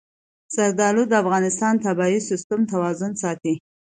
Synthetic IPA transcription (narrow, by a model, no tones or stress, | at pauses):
z̥aɾd̪ɑlud̪əafɣɑnɪst̪ɑnt̪abɑisɪst̪ʊmt̪awɑzʊnsɑt̪i